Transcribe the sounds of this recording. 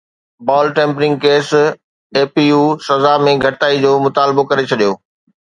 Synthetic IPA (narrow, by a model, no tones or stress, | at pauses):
baːlʈẽːmpɾɪ̃ŋɡ̚keːs | eːpijuːsɐzamẽɡʱɐʈt̪aːid͡ʑoːmʊt̪aːlɪbokɐɾet͡ɕʰɐɗijoː